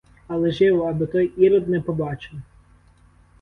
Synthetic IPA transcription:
ɐlˠɛʒɪwɔɐbɪt̪ɔjiɾɔd̪nɛpɔbɑt͡ʃɪl

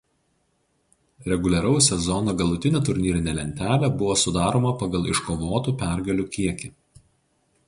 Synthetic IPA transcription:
ɾʲɛɡʊlʲɛɾɐʊsʲɛzɔnoːɡɐlˠʊt̪ʲɪnʲeːt̪ʊɾʲnʲiːɾʲɪnʲɛlʲɛnʲt̪ʲæːlʲɛbʊʋoːsʊd̪ɑːɾoːmɐpɑɡɐlˠɪʃkoːʋoːt̪uːpʲæɾʲɡɐlʲuːkʲiɛkʲɪ

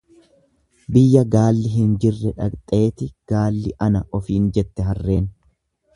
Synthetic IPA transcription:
bɪjːɐɡaːlːɪɦɪnd͡ʒɪrːɛᶑɐkt̪ʼe̞ːt̪ɪɡ̥aːlːɪʔɐnɐʔɔfiːnd͡ʒɛt̪ːɛɦɐrːe̞ːn

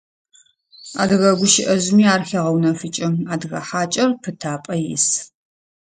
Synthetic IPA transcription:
a̰ːdɨɣɐɡʷʊʃɪʔɐʑmiːaːrxɐʁɐwnɐfɨt͡ʃʼɪmaːdɨɣɐ̰ħaːt͡ʃʼɐrpʰɨtʰaːpʼɐjɪ̰s

